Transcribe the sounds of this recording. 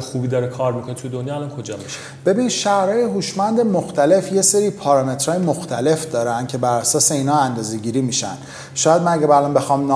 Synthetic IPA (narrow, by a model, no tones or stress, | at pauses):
xubid̪ɒɾekʰɒɾmikʰonet̪ʰujed̪onjɒːlɒnkʰod͡ʒɒmɔʃ | b̥e̞binʃæhɾɒːjeɦuʃmænd̪emoxt̪ʰæle̞fje̞seɾiːpʰɒːɾɒme̞t̪ʰɾɒːjemoxt̪ʰæle̞fd̪ɒːɾænd̪̥cʲʰe̞bæɾæsɒːse̞iːnhɒːænd̪ɒːze̞ɟiːɾiːmiʃæ̰n | ʃɒːjæd̪mænæɟæbæælɒːnbe̞xɒːmn